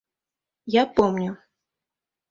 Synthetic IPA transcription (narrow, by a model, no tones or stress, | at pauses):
japɔmnʲʊ